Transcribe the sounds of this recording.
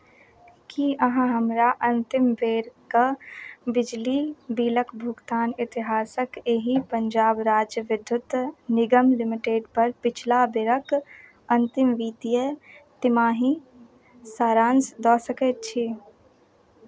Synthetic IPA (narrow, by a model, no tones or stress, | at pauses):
kiəɦãɦəmɾaʔɐnt̪ɪmbeːɾkabɪd͡ʒlibiːləkbʱʊɡt̪aːnɪt̪ɪɦaːsəkeːɦipəɲd͡ʒaːbɾaːd͡ʒjəʋɪd̪ʱːjʊt̪nɪɡəmlɪmɪʈeːɖpɐɾpɪt͡ʃʰlabeːɾək | ənt̪ɪmʋiːd̪ijət̪ɪmaːɦi | saːɾaːnsd̪ɔːsəket̪̚t͡ʃʰi